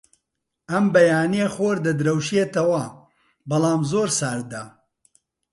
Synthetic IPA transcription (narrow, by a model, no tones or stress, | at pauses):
ɐmbɐjaːnieχoːɾd̪ɐd̪ɨɾɐwʃiet̪ɐwɐ | bɐlˠaːmzoːɾsaːɾd̪ɐ